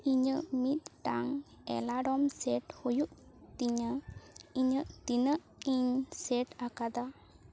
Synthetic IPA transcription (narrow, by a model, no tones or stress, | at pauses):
iɲəʔmit̪̚ʈaŋɛ̰laɖɔmsɛʈhujuʔt̪iɲəiɲəʔt̪inəʔ | iɲsɛʈakad̪a